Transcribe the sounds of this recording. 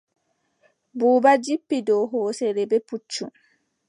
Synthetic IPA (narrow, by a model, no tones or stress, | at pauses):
buːbad͡ʒipːidɔɦɔːsɛɾɛbɛput͡ʃːu